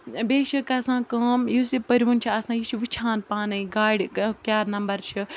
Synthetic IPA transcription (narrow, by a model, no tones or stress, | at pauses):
beːʃɐkɐsãːkaːmjusipɐɾʲʋunt͡ʃʰiɐsãːjit͡ʃʰiʋit͡ʃʰãːnpaːnɐĩɡaːjɖkjaːɾnɐmbɐɾt͡ʃʰi